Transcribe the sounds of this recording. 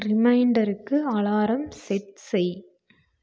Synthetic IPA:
ɾɪmɐɪɳɖɐɾɯkːɯɐɭaːɾɐmsɛʈsɛɪj

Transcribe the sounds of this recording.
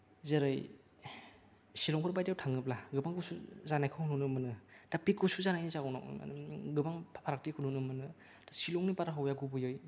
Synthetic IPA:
zeɾɯj | silɔŋkʰɾbajdawtʰaŋɯp̚laɡɯbaŋɡusuzanajkʰɯwhununɯmɯnɯd̥apikːusuzanajnizaunɔ̰kn̰m̰nɡɯbaŋpʰpʰaɾak̚tikʰɯnunɯmɯnɯ | dasilɔŋnipaɾaɦawjaɡubɯjoj

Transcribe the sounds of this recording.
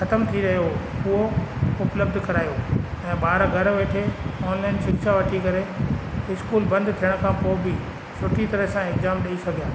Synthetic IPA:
xɐt̪əmt̪ʰiɾɐɦjo | ʊɦoʊpləb̚d̪ʱkɐɾaːijoɛ̃ːɓaːɾɡʱɐɾʋeːʈʰeɔːnlaːɪnʃɪkʃaʋɐʈʰikɐɾeɪskuːlbɐ̃nd̪t̪ʰijəɽ̃̆kʰãpoːɪbɪ | sʊʈʰit̪ɐɾəɦsãekzaːmɗɐisɐɡʱijaː

